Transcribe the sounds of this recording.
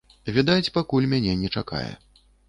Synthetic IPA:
vʲid̪at͡sʲpakulʲmʲanʲɛnʲɛt͡ʂaka̰jɛ̰

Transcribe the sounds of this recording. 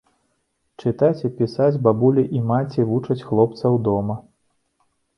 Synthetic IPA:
t͡ʂɨt̪at͡sʲipʲisad͡zʲbabulʲiʔimat͡sʲivut͡ʂɐt͡sʲxlˠɔp̚t̪sɐwd̪ɔmɐ

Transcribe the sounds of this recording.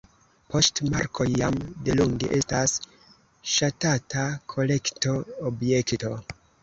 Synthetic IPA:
po̞stmaɾko̞jːa̰mdeluŋɡḛʔe̞stas | ʃatatakʰo̞le̞kto̞ːbje̞kto̞

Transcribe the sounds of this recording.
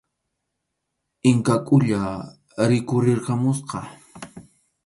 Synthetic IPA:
ɪŋkakʼʊʎa | ɾɪkʊɾɪɾqɑmʊsqɑ

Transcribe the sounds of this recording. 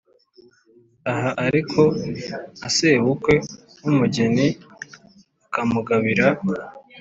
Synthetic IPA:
aɦaʔaɾikʰo̞ | ase̞ːβukwe̞ | wumuɟeni | akamuɡaβiɾa

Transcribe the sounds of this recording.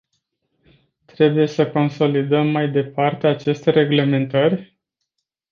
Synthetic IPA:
t̪ɾe̞buje̞səko̞nso̞lid̪əmːajd̪e̞part̪e̞at͡ʃe̞st̪e̞ɾe̞ɡle̞me̞nt̪ərʲ

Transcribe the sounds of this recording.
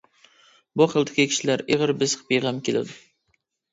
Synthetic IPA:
buχəlˠd̪ʰɪkʲikʲʰi̥ʃilæɾʔeʁəɾbɪzqʰpiʁɑmkʲʰelɪ̰d̪u

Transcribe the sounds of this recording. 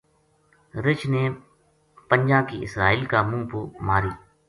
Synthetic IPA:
ɾɪt͡ʃneː | pəɲʲd͡ʒãːkiːɪsɾaːiːlkaːmũːpʊmaːɾiː

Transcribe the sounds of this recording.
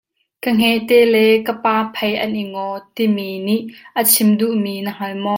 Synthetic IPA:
kəŋ̥ɛʔt̪ɛlɛkəpaːpʰɐjʔɐnʔiŋɔt̪iminiʔʔət͡sʰimduʔminəɦalmɔ

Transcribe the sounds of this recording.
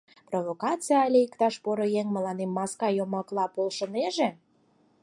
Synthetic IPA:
provokɑt͡sijɑɑlʲeikt̪ɑʃpoɾojeŋmə̆lɑnemːɑskɑjomɑklˠɑpolʃə̆neʒe

